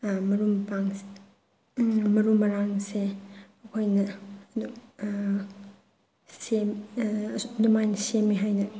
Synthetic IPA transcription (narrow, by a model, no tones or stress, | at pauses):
mɐɾumpaŋs | mɐɾumːɐɾaŋseɐkʰojnɐu | sem | dumajnsemːiɦajnɐ